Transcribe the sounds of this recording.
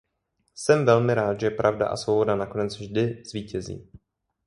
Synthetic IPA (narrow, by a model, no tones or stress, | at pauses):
sɛmvɛlmɪɾaːt̪ʒɛpɾʔavda̰ʔa̰svowbo̞danako̞nɛt͡svʒdɪz̥viːcɛzḭː